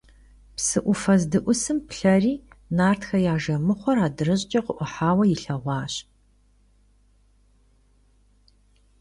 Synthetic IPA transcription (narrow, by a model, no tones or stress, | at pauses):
psɨʔʷʊfɐzdɨʔʷʊsɨmpɬɐriːnaːrtxɐjaːʒɐmɨχʷɔraːdɨrɨɕʼt͡ʃʼɐqʊʔʷʊħaːwɐjɪɬɐʁʷɑːɕ